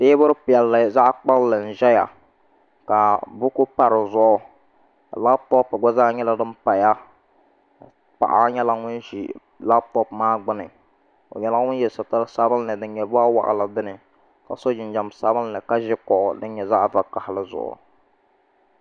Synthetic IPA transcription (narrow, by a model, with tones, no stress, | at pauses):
deː˦bʊ˦ɾɨ˦pɪ˨ɛ˨lːɨ˨za˦ʔk͡pa˦llɨ˨n̩˨ʒɛ˦ja̰˨ | ka˨bʊ˦kʊ˦pa˨ɾɨ˨zʊ˦ʔʊ˦ | a̰˨la˦bpɔ˦pɡɔ˦za˦ɲɛ˦la˦dɨ˦mpa˨ja˦ | pa̰˨ʔa̰˦ɲɛ˦la˦ŋʊ˦nʒḭ˨ | la˦bpɔ˦pmaː˦ɡ͡bʊ˦nɨ˨ | o̰˨ɲɛ˦la˦ŋʊ˦n˦jɛ˨sa˨ta˦ɾsa˦bɨ˦lnɨ˨dɨ˦n˦ɲɛ˨bʊ˦a˦wa̰˨ʔa̰˨la˨bɨ˦nɨ˨ | ka˨so˦d͡ʒɪ˨n˦d͡ʒa˨msa˦bɨ˦n˦nɨ˨ka˦ʒɪ˦kɔ˨ʔdɨ˦n˦ɲɛ˨za˦ʔva˦ka˨hɪ˨lɨ˦zʊ̰˨ʔʊ̰˨